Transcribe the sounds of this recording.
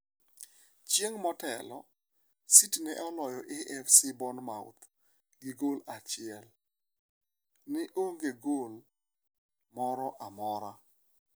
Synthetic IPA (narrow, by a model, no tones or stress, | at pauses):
t͡ʃjeŋmɔtɛlɔ | sitnɛʔɔlɔjɔʔeʔɛfsibɔnmawt̪ | ɡɪɡolat͡ʃɪɛl | nɪʔoŋɡeɡol | mɔɾɔʔamɔɾa